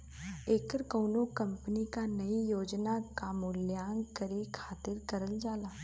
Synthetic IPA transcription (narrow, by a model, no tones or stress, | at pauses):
eːkəɾkoːnokɐ̃mpənikanɐijoːd͡ʒnakaːmʊljaːŋɡkəɾekʰaːt̪ɪɾkɐɾəld͡ʒaːlaː